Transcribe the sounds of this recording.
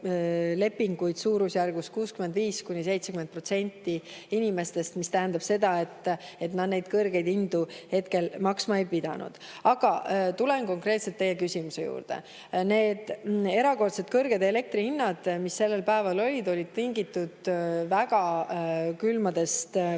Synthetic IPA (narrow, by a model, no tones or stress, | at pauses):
le̞pːiŋɡujd̪̥suːɾusjærɡ̥uskuːskymend̪viːskunʲise̞jt̪se̞kyment̪̚pro̞t̪se̞nʲt̪ːˑiinʲime̞st̪e̞st̪mist̪æɦænd̪ɑb̥se̞d̪ɑe̞t̪ːe̞t̪nɑd̪ne̞jd̪̥kɤrɡ̥e̞jd̪ind̪uhe̞t̪ke̞lmɑksmɑejpid̪̥ɑ̰nṵd̪̥ | ɑɡ̥ɑt̪ulenko̞ŋkre̞ːt̪se̞lt̪ːe̞jːe̞kysʲimuse̞jṵːrd̪̥e̞̰ | ne̞ːd̪̥e̞ɾɑko̞rt̪se̞t̪kɤrɡ̥e̞d̪e̞le̞k̚t̪ɾihinːɑd̪̥misːe̞lːe̞lpæevɑlo̞lʲid̪o̞lʲid̪̥̚t̪iŋɡit̪ːˑud̪̥væɡ̥ɑ | kylmɑd̪e̞st̪